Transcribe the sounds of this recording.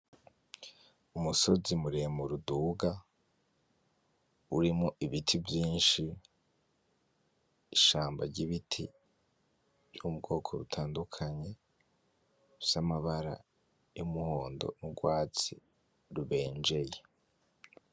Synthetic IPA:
umuso̞zimuɾemuɾuduːɡa | uɾimoʔiβitʰivjiːnʃi | ʃaːmba̰ɾɟiβitʰi | vjomub̚ɡo̞ːkʰo̞ɾutʰaːndukʰaɲe̞ | samaβaɾa̰ | jumuho̞ːndo̞̰nuɡwaːt͡si | ɾuβe̞ːnd͡ʒe̞je

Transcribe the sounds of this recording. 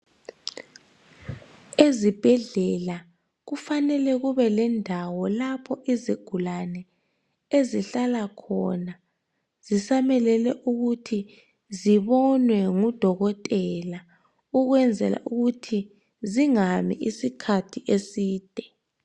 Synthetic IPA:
ezib̥ʱɛɮɛla | ɣufanɛlɛɣuβɛlɛndʱawɔlapʰɔʔiziɡ̥ʱulanɛ | eziɬalakʰɔna | z̥isamɛlɛlɛʔuɣutʰi | ziβɔnwɛŋud̥ʱɔɣɔtʼɛla | uɣwɛnd͡zʱɛ̰la̰ʔuɣutʰi | ziŋamḭʔisikʰatʰiʔesiːd̥ʱɛ

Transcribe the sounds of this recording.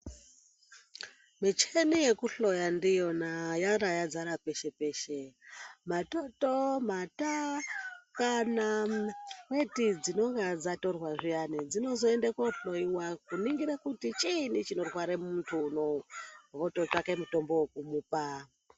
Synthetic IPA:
mit͡ʃenije̞kuɬo̞jandijo̞najarajad͡zaɾape̞ʃe̞pe̞ːʃemato̞tomata | kana | kwe̞tid͡zino̞ŋɡad͡zato̞rwaʐijanid͡zino̞zo̞endekoɬo̞iwakuniŋɡiɾakutit͡ʃinit͡ʃino̞rwaɾemuntʰunoʋotot͡ʂakemuto̞mbo̞ukumuːpa

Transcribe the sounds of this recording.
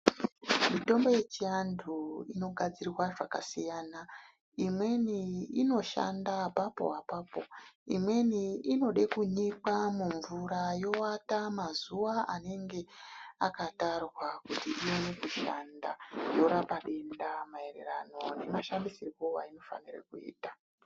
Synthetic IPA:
mito̞mbo̞je̞t͡ʃijandʰuino̞ɡʱad͡zirwaʐakasijaːna | imwe̞niino̞ʃa̰ndapapo̞̰apaːpo̞̰imwe̞niino̞ɗe̞kuɲikamuɱvuɾajo̞watamazuwaane̞ŋɡe̞akatarwakutiiwenekuʃa̰nda̰jo̞ɾapaɗe̞ndamae̞rḛra̰no̞nemaʃandisirwowaino̞fa̰nira̰kuḭːtḁ

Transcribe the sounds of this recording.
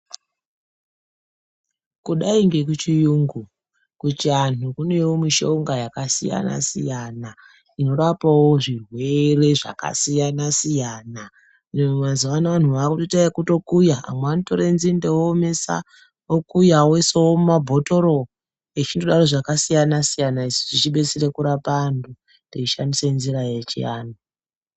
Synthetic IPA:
kuɗaiŋɡe̞k̬ut͡ʃijuːŋɡu | kutianukune̞womiʃo̞ŋɡajakasḭja̰na̰sḭjana | ino̞ɾapawoʐirwe̞re̞ʐa̰ka̰sijanasijaːna | inemumazuʋanaʋan̤uʋakutotaekuto̞kujaa̰mweanitoɾe̞nzindewomesa̰ | okujawesowomumabʱo̞to̞ɾo | et͡ʃindoɗaro̞ʐakasijanasijanaisiʐit͡ʃiɓe̞t͡siɾe̞kuɾapandu | ndiiʃandisenziɾajet͡ʃḭja̰ːno

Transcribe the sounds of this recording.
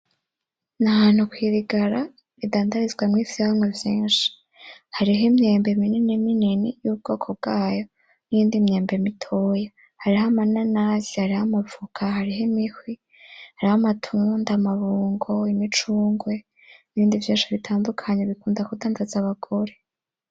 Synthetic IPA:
nahaːn̥hukwiːɾiɡaɾa | idaːndaɾizɡwamŋiːsiaŋɡwevjiːnʃi̥ | haɾiɦimɲeːmbeminininininijub̚ɡ̥o̞ːkʰo̞b̚ɡaːjo̞ | nijiːndimɲeːmbe̞mitʰoja | haɾiɦamananazihaɾihamavukʰaɦaɾiɦemihwi | haɾihamatʰuːndaːmaβuːŋɡo̞imit͡ʃuːŋɡwe̞ | niβiːndivjiːnʃiβitʰaːndukʰaɲeβikuːndakudaːndazaβaɡo̞ɾe̞

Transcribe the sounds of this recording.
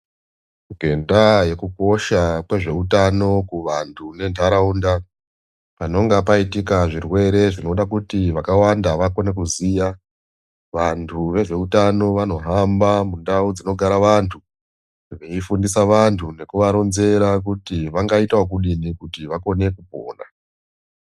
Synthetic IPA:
ɡʱe̞ndaje̞kuko̞ʃakwe̞ʐe̞utano̞kuʋantʰune̞ndʰaɾaunda | pano̞ŋɡapaitikaʐirwe̞ɾe̞ʐino̞ɗakutiʋakawandaʋako̞ne̞kuzija | ʋantʰuʋe̞ʐe̞utano̞ʋano̞ɦambamundaud͡zino̞ɡʱaɾaʋantʰu | ʋeifundisaʋantʰune̞kuʋaɾo̞nze̞ɾak̬utiʋaŋɡaitaok̬uɗinikutiʋako̞ne̞kupo̰ːna

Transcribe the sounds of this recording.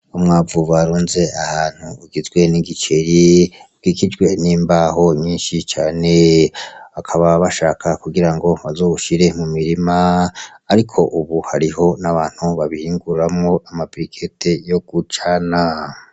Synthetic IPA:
umŋaːvuvaɾuːnze̞ahaːn̥huːɡizɡwe̞niɡit͡ʃeɾi | ɡ̥ikid͡ʒɡwe̞niːmbaɦo̞ɲiːnʃit͡ʃaːne̞ | akʰaβaβaʃaːkʰakuɡiɾaŋɡo̞βazo̞ːβuʃiɾe̞mumiɾimaː | ɾikʰo̞ʔuβuhaɾiɦo̞naβaːn̥huβaβihiːŋɡuɾamŋo̞ʔamabɾikʰetʰe̞jo̞ɡ̥ut͡ʃana

